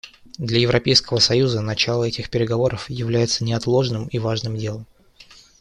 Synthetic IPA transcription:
d̪lʲɐjɪvɾɐpʲejskəvəsɐjuzənɐt͡ɕalˠəɛtʲɪxpʲɪɾʲɪɡɐvo̞ɾəfjɪvlʲæjɪt̪sənʲɪɐt̪lˠo̞ʐnɨmivaʐnɨmdʲe̞lˠəm

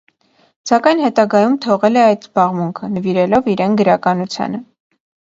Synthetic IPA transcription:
sɑkɑjnɦɛt̪ɑɡɑjumt̪ʰɔʁɛlɛɑjt̪z̥bɑʁmuŋkʰənəviɾɛlɔviɾɛnɡəɾɑkɑnut͡sʰjɑ̰nə

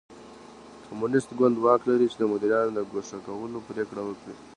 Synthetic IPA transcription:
kʰamunɪst̪ɡwand̪wɑklaɾit͡ʃed̪əmʊd̪ɪɾjɑnod̪əɡoʂakawəlopəɾekɽawəkɽi

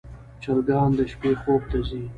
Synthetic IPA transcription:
t͡ʃalɡɑːnd̪əʃpexob̚t̪azi

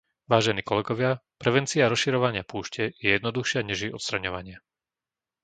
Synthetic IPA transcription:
ʋaːʒɛniːkɔlɛɡɔʋɪapɾɛʋɛnt͡siaɾɔsʃiɾɔʋaɲɪapuːʃcɛjɛjɛd̪nɔd̪uxʃɪaɲɛʒiɔt̪st̪ɾaɲɔʋaɲɪa

